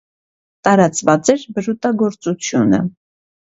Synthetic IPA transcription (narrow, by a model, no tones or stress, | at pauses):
t̪ɑɾɑt͡svɑt͡sɛɾbəɾut̪ɑɡɔɾt͡sut͡sʰjunə̰